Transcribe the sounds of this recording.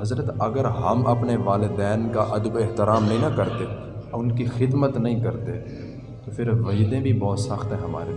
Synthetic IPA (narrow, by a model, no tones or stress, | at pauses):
ɦɐzɾət̪ɐɡəɾɦɐmɐpneʋaːlɪd̪ɛːnkaʔɐd̪əbɪɦt̪ɪɾaːmnɐɦĩnɐkɐɾt̪e | ɔʊnkixɪd̪mət̪nɐɦĩkɐɾt̪e | t̪ofʰɪɾʋɐjd̪ẽbʱibɔːt̪sɐxt̪ɦɛ̃ɦɐma̰ːɾe